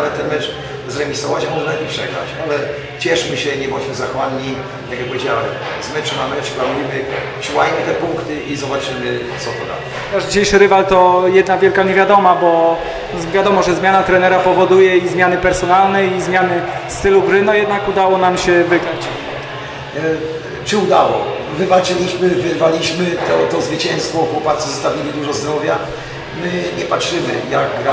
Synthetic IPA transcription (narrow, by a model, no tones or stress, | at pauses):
amɛt̪ɛnmɛt͡ʂ | zɾɛvʲisɔvat͡ɕamɔʐnaipʂɛ̰ɡɾa̰t͡ɕalɛ | t͡ɕɛʂmɘɕɛɲɛbɔt͡ɕmɘzaxwanːi | t̪akjak̚pɔvʲjed͡ʑawɛ̰m | zmɛt͡ʂmamɛplanujmɘ | t͡ɕuwajmɘt̪ɛpuŋkt̪ɘʔizɔbat͡ʂɘjmɘt̪sɔpɔd̪a̰d̪ɛt̪aʐd͡ʑiɕejʂɘɾɘvalt̪ɔjɛd̪navʲjɛlkaɲevʲjad̪ɔmabɔ | vʲjad̪ɔmɔʐɛzmʲjanat̪ɾɛnɛɾapɔvɔd̪ujɛizmʲjanɘpɛɾsɔnalnɛizmʲjanɘst̪ɘluɡɾɘnɔjɛd̪̚nakud̪awɔnamɕɛvɘɡɾat͡ɕ | t͡ʂɘud̪a̰wɔ̰vɘvat͡ʂɘlʲiɕmɘvɘɾvalʲiɕmɘt̪ɔt̪ɔzvɘt͡ɕɛ̃nst̪vɔːkwɔpat̪sɛzɔst̪avʲjilʲid̪uʐɔzd̪ɾɔvʲja | mɘɲɛpatʂɘmɘ̰jaɡɡɾa